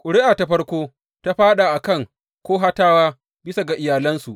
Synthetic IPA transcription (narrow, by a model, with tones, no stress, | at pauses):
kʼʊ˨ɽɪ˦ʔa˨ta˦ɸɐ˦rkʷoː˦ | ta˦ɸaː˦ɗa˨ʔa˨kɐ˦˨ŋ | kʷoː˦ɦa˦taː˦waː˦ | bɪ˦sa˨ɡa˨ʔɪ˨jaː˨lɐ˦nsu˨ʔ